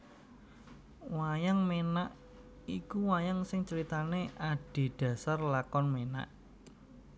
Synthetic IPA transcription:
wajaŋmenaʔ | ikuwajaŋsɪŋt͡ʃəɾit̪aneaɖ̥e̤ɖ̥ä̤sarlakɔnmena̰ʔ

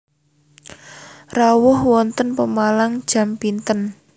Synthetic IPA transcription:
rawʊhwɔnt̪ənpəmalaŋd̥ʒ̥a̤mpint̪ən

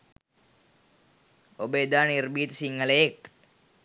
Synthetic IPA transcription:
obəed̪aːnirbiːt̪əsiŋːələjek̚

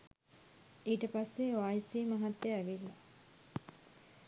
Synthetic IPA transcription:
iːʈəpasːeʋaːisiːmaɦat̪ːjæʋilːa

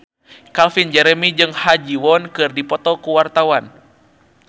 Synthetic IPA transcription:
kalfind͡ʒɛɾɛmid͡ʒɨŋhad͡ʒiwɔnkɨrdipɔt̪ɔkuwart̪awan

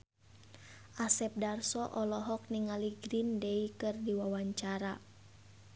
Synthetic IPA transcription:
ʔasɛp̚darsɔʔɔlɔɦɔk̚niŋaliɡɾindeikɨrdiwawaɲt͡ʃaɾa

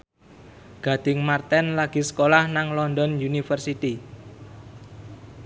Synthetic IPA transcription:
ɡ̥a̤d̪̥ɪ̤ŋmart̪ɛnlaɡ̥i̤sə̥kolahnaŋlɔnd̪ɔnjunifərsit̪i

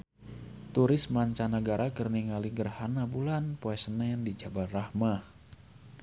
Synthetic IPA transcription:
t̪uɾɪsmaɲt͡ʃanəɡaɾʔakərniŋaliɡərhanabulanpoɛsənandid͡ʒabat̪rahmah

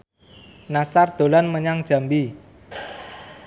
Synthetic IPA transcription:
nasard̪̥o̤lanməɲaŋd̥ʒ̥a̤mbi

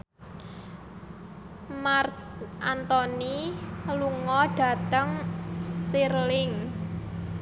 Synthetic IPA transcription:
mart̪sʔant̪ɔniluŋɔɖ̥a̤t̪əŋst̪irlɪŋ

